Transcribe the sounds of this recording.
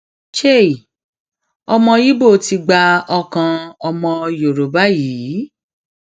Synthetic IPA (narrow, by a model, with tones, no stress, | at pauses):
ʃe˦˨i˨ | ɔ˧mɔ̃˧ji˦bo˦˨ti˧ɡ͡ba˧ɔ˧kã˧ɔ˧mɔ̃˧jo˨ɾo˨ba˦jiː˨˦